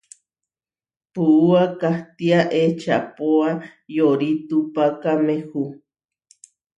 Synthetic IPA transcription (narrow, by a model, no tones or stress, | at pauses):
puuakaht̪iaʔet͡ʃa̰poajoɾit̪upakamehu